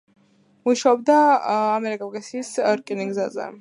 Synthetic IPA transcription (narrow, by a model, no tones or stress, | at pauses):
muʃaɔb̚d̪aːmɛɾikʼavkʼasiːsɾkʼiniɡzazɛ̰